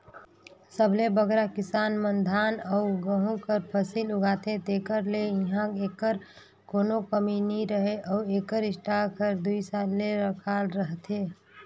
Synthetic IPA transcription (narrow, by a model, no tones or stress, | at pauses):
səbʱlebəɡɾakɪsaːnmənd̪ʱaːnəʊɡəɦũkəɾpʰəsilʊɡaːt̪et̪ekəɾlejiɦãeːkəɾ | koːnokəminiɾəɦeʔɔʊeːkəɾɪsʈakʰəɾd̪uisaːlːeɾəkʰalɾəɦt̪ɦe